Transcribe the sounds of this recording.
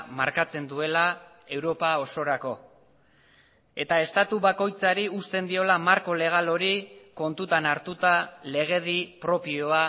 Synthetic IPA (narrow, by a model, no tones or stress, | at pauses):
ma̰ɾkat͡se̞nd̪ue̞la | e̞wɾo̞pao̞so̞ɾako̞ | e̞t̪ae̞st̪at̪uβako̞jt͡saɾiust̪e̞nd̪io̞lamaɾko̞le̞ɣ̞alo̞ɾiko̞nt̪ut̪anaɾt̪ut̪ale̞ɣ̞e̞ð̞ipɾo̞pio̞a